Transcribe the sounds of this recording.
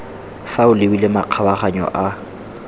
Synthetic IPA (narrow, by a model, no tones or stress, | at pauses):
faʊlewilɪmaq͡χʰabaχaɲɔ̰ʔa